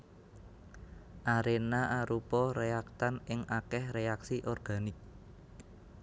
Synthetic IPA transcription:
ʔaɾenaʔaɾupɔɾeak̚t̪anɪŋʔakɛhreaksiʔɔrɡ̥a̤nɪk̚

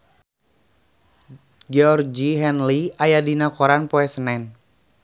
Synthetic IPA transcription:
d͡ʒɛɔrd͡ʒiɦɛnliajadinakɔɾanpoɛsənɛn

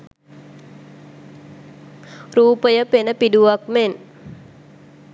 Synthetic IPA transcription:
ruːpəjəpenəpiduak̚men

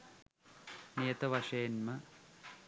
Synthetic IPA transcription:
nijɐt̪ɐʋɐʂeːnmɐ

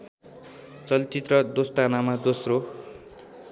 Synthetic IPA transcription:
t͡sʌlt͡sit̪rʌd̪ost̪anamad̪osro

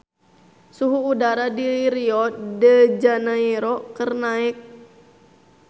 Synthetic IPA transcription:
suɦuːdaɾadiɾiɔt̪̚dəd͡ʒanaɛɾɔkərnaɪk̚

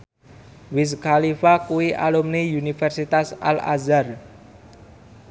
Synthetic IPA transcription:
wɪs̬kalifakuwiʔa̰lumneunifɛrsit̪asa̰la̰zar

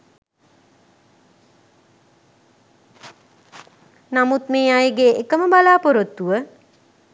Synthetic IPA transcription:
namut̪meːajɡeekəməbalaːpoɾot̪ːuʋə

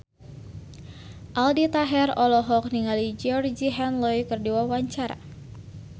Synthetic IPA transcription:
ʔaldit̪aɦɛrɔlɔɦɔk̚niŋalid͡ʒiɔrd͡ʒiɦɛnlɔjkərdiwawaɲt͡ʃaɾa̰

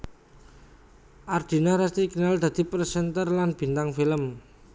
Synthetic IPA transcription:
ʔard̪̥i̤naɾast̪ikinald̪̥ä̤d̪̥i̤pɾəsɛnt̪ərlanb̥i̤nt̪aŋfiləm

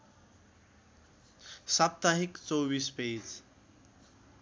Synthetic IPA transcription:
sap̚t̪aɦikt͡sowbispeːt͡s

